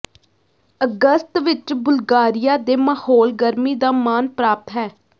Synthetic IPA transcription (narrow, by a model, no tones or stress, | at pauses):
əɡəst̪ʋɪt͡ʃbʊlɡaːɾɪjaːd̪eːmaːhoːlɡəɾmiːd̪aːmaːnpɾaːp̚t̪ɦɛː